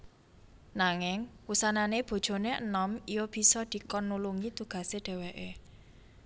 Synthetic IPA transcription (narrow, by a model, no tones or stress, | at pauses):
naŋɪŋwusananeb̥o̤d̥ʒ̥o̤neʔə̰nɔmijɔb̥i̤sɔd̪̥i̤kɔnːuluŋit̪uɡ̥ä̤seɖ̥ɛ̤weʔe